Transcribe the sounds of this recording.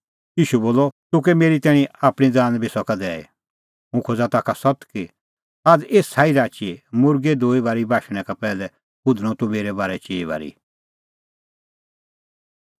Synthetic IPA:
jiːʃuboːlɔt̪ʊk̬ɛmeːɾit̪ɛːɽ̃ĩaːpɽ̃id͡zaːnbʱisɔkad̪ɛːḛ | mũkʰod͡zat̪aːkʰasɔt̪ki | aːd͡zeːssʰaːiɾaːt͡ʃimʊɾɡed̪oːibaːɾibʱaːʃɽ̃ɛkapɛːlɛ | bʊd̪ʱɽ̃ɔ̃t̪ʊmeːɾɛbaːɾɛt͡ʃiːiβa̰ːɾḭ

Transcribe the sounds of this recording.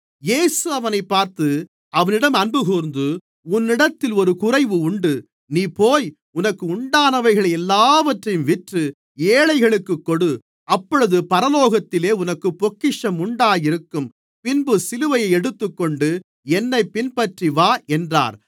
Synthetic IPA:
jeːsɯɐʋɐnɐɪpːaːɾt̪ɯ | ɐʋɐnɪɽɐmɐnbɯɣuːɾnd̪ɯ | ʊnːɪɽɐt̪ːɪlɔɾɯkʊrɐɪʋɯʊɳɖɯ | niːpoːj | ʊnɐkːɯʊɳɖaːnɐʋɐɪɣɐɭɐɛlːaːʋɐʈrɐjɯmʋɪʈrɯ | eːɭɐɪɣɐɭɯkːɯkːɔɽɯ | ɐpːɔɻɯðɯpɐɾɐloːɣɐt̪ːɪleːʊnɐkːɯpːɔkːɪʂɐmʊɳɖaːjɪɾɯkːɯm | pɪnbɯsɪlɯʋɐjɐɪɛɽɯt̪ːɯkːɔɳɖɯ | ɛnːɐɪpɪnpɐʈriʋaːɛndra̰ːɾ

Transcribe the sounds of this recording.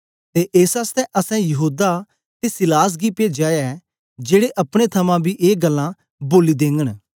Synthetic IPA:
t̪eːʔeːsast̪ɛ̃ʔɐsɛ̃jɐɦuːd̪a | t̪esɪlaːs̬ɡiːpeːd͡ʒaːjaɛ | d͡ʒeːɽeʔɐpɽ̃et̪ʰəmãːbʱiːʔeːɡəlːã | boːlid̪ẽːŋɡəɽ̃

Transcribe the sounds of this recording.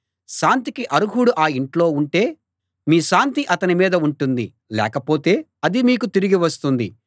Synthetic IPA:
ʃaːnt̪ikiʔɐɾuɡuɽuʔaːiɳʈlo̞ːuɳʈe̞ː | miːʃaːnt̪iʔɐt̪ɐnimiːd̪ɐuɳʈund̪i | lɛ̰ːkɐpo̞ːt̪e̞ː | ɐd̪imiːkut̪iɾiɡiʋɐst̪und̪i

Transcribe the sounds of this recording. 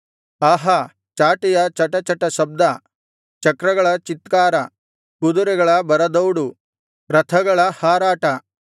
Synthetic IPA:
ɐɦɐ | t͡ʃaːʈijɐt͡ʃɐʈɐt͡ʃɐʈːɐʃɐb̚d̪ɐ | t͡ʃɐkɾɐɡɐɭɐt͡ʃit̪kaːɾɐ | kud̪uɾɛɡɐɭɐbɐɾɐd̪ɐwɽu | ɾɐt̪ʰɐɡɐɭɐhaːɾaːʈɐ

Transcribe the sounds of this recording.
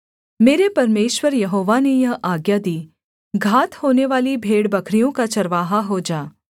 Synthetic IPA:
meːɾepɐɾmeːʃwəɾjɐɦoːʋanejɐɦʔaːɡjad̪iː | ɡʱaːt̪hoːneʋaːlibʱeːɽbɐkʰɾijõkat͡ʃɐɾʋaːɦaɦod͡ʒaː

